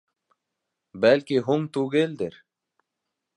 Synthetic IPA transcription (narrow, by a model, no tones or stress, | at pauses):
bælkiɦuŋt̪uɡeld̪eɾ